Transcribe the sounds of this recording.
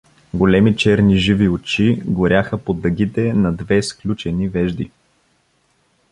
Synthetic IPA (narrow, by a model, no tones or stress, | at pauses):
ɡolɛmit͡ʃɛɾniʒiviot͡ʃiɡoɾʲjaxəpod̪ɐɡʲit̪ɛnɐd̪vɛsklʲut͡ʃɛnivɛʒd̪i